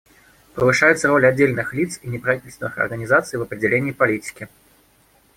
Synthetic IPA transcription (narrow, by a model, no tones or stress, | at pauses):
pɨvɨʂajʊt̪sːɐɾɔlʲadd͡zʲːelʲnɨxlʲit̪sinʲɪpɾavʲitʲɪlʲst̪vʲɪnɨxɐ̰rɣənʲizat̪sɨjvɐpɾʲɪdʲd͡zʲɛlʲenʲiːpalʲit͡sʲi̥kʲi